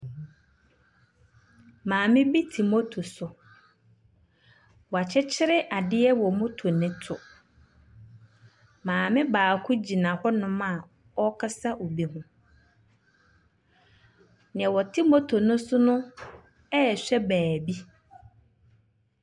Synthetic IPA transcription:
mãː˨mɪ̃˦bi˦tʰi˨mo˦tʰo˨sʊ˨ | wɔ˨a˨t͡ɕʰɛ˦t͡ɕʰɪ˦ɾɪ˦ʔa˨dɪ˦ɛ˦wɔ˨mʊ̃˦tʰo˨nɪ̃˦tʰʊ˨ | mãː˨mɪ̃˦baː˨kʰʊ˦d͡ʑi˨nã˨hɔ˦nʊ̃˦mã˦˨ | ɔ˦kʰa˦sa˦ʔo˨bi˦ɦʊ̃˦ | nɪ̃˨ɛ̃˨wɔ˨tʰi˦mo˦tʰo˨nʊ̃˦sʊ˦nʊ̃˦ | ɛ˦˨ɕᶣɛ˦bæː˨bi˦

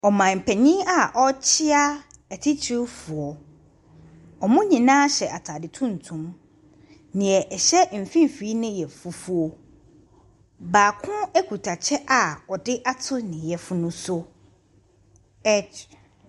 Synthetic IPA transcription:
ɔ˨mã˨m̩˨pʰɛ˨ɲĩ˦a˨ʔɔ˦t͡ɕʰɪ˦a˦ | ɛ˨tʰɪ˦t͡ɕʰi˦fʊ˨ɔ˨ | ɔ˨mʊ̃˦ɲĩ˨nãː˦ɕɛ˨ʔa˨tʰa˨dɪ˨tʰũ˦n̩˨tʰũ˨m | nɪ̃˨ɛ˨ʔɛ˨ɕɛ˦m̩˨fĩ˦m˨fi˨˦nɪ̃˦jɛ˨fu˨fu˦ɔ˨ | baː˨kʰʊ̃˦ɛ˦kʰu˨tʰa˨t͡ɕʰɛ˦ʔa˨ɔ˨dɪ˦ʔa˦tʰʊ˦nɪ̃˨jɛ˨fʊ˦nʊ̃˦sʊ˦ | ɛ˦t͡ʃ

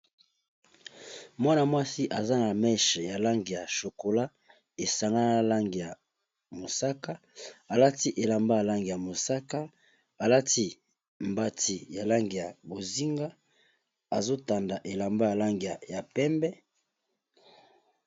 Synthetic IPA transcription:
mwa˦na˨mwa˦si˦ʔa˨za˦na˨mɛ˦ʃja˨la˦ŋɡi˨ja˨ʃo˨ko˨la˦ | e˨sa˨ŋɡa˦na˦na˦˨la˦ŋɡi˨ja˨ | mo˨sa˦ka˦ | a˨la˦ti˦ʔe˨la˨mba˦ja˨la˦ŋɡi˨ja˨mo˨sa˦ka˦ | a˨la˦ti˦ | mba˦ti˨ja˨la˦ŋɡi˨ja˨bo˨zi˦ŋɡa˦ | a˨zo˦ta˨nda˨ʔe˨la˨mba˦ja˨la˦ŋɡi˨ja˨ja˨pɛ˦mbɛ˦

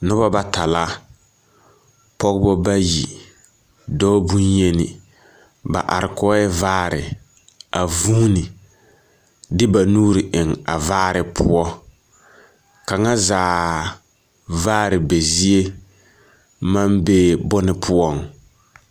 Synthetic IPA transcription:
nʊ˦ba˦ba˦ta˨la˦ | pɔ˦ɡbɔ˦ba˦jḭ˨ | dɔː˦bu˦nje˦nɪ˨ | ba̰˨ʔa̰˨ɾɪ˨kɔː˦ɛ˦vaː˦ɾɪ˨ | a˨vu˦nɪ˨ | dɪ˦ba˨nuː˦ɾɪ˨ʔɪ˨ŋa˨vaː˦ɾɪ˨pʰʊ̰˦ɔ˦ | ka˨ŋa˦zaː˨ | vaː˦ɾɪ˨be˨zi˦e˦ | ma˦mbe˦bɔ˦nɪ˦pʰʊ˦ɔ˦ŋ

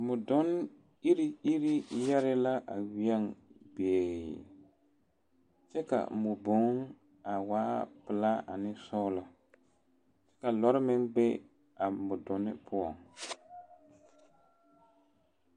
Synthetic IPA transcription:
mʊ˨dɔ˦n | i˦ɾi˦i˦ɾi˦ja˦ɾɪ˦la˦ʔa˨wi˨˦a˦ŋbe˨ | t͡ʃɛ˦ka̰˨mʊ˨bo˨˦ŋ˦ŋ | a˨waː˦pɪ˨la˦a̰˨nɪ˦sɔː˦lɔ˨ | t͡ʃɛ̥˦ka˨lɔ˦ɾɪ˦mɪ˦ŋbɛ˦ | a˨mʊ˨dɔ˨nɪ̰˦pʰʊ˦ɔ˨ŋ

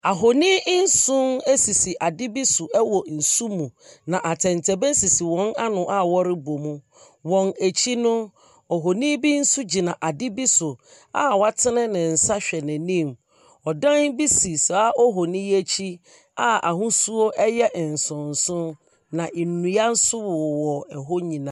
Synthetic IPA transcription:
a˨ɦo˨nĩ˦n̩˦sʊ̃˦ne˦si˨si˨ʔa˨dɪ˦bi˦sʊ˨ʔɛ˦wɔ˨n̩˨su˦mũ˨nã˨ʔa˨tʰɛ̃˨ntʰɛ˨bɛ˦si˨si˨wɔ̃˨˦na˦nʊ̃˨ʔa˦˨wɔ˦ɾɪ˦bo˨mũ˦ | wɔ̃˨ne˨t͡ɕʰi˦nʊ̃˦ | ɔ˨ɦo˨nĩ˦bi˦n̩˦su˦d͡ʑi˨nã˨ʔa˨dɪ˦bi˦sʊ˨ | a̰˦wa˦tʰɪ˦nɪ̃˦nɪ̃˨n̩˨sa˦ɕᶣɛ˨nɪ̃˨nĩ˦m | ɔ˨dã˦n˦bi˦si˨sa˨a˦ʔɔ˦ɦo˨nĩ˦je˦t͡ɕʰi˦ | a˦a̰˨ɦũ˦su˦o˦ʔɛ˦jɛ˦ʔn̩˨sʊ̃˨n̩˨sʊ̃˦ | nã˨ʔi˨nũ˨ja˦n̩˦sʊ˦wʊ˨wɔ˨ɛ˨ɦo˦ɲĩ˨nã˦

